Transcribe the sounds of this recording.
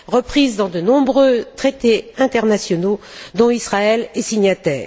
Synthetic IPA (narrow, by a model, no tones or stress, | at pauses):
ʁəpχizd̪ɑ̃d̪ənɔ̃bʁøt̪χet̪eɛ̃t̪ɛʁnasjɔno | d̪ɔ̃isχaɛlɛsiɲat̪ɛːʁ